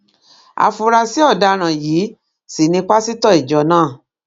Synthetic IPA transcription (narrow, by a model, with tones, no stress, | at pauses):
a̰˨fu˨ɾa˧si˦ɔ˦˨da˧ɾ̃ã˨jiː˨˦ | si˨nĩ˧k͡pa˦si˦tɔ˦˨i˨d͡ʒɔ˨˦nãː˦˨